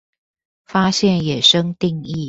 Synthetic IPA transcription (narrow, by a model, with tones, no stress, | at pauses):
fa˥ɕjɛ˥˩njɛ˨˩ʂɤ˥ŋt̪i˥˧ŋi˥˨